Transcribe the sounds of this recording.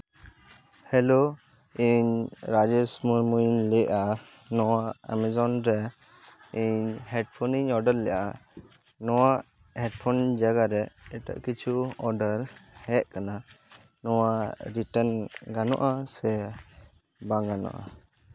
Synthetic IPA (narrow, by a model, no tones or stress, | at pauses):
hɛlo | iɲɾad͡ʒɛsmuɾmujnlɛʔa | nɔwaʔa̰mɛzɔnɾɛ | iɲhɛʈpʰɔniɲɔɖəɾlɛjaa | nɔwaʔ | hɛʈ̚pʰɔnd͡ʒaɡaɾɛɛʈa̰ʔkit͡ʃʰuɔɾɖəɾhɛʔ̚kana | nɔwaʔɾiʈənɡanɔ̰ʔasɛ | bãŋɡanɔ̰ʔa̰